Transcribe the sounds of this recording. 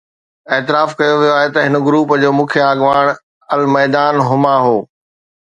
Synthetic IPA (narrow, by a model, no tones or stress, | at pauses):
eːt̪ɪɾaːfkɐjoʋijoaːɦet̪ɐɦɪnə̆ɡɾuːpd͡ʑoːmũːkʰjaːɡʋaːɽ̃ | ɐlmɛːd̪aːnɦʊmaɦoː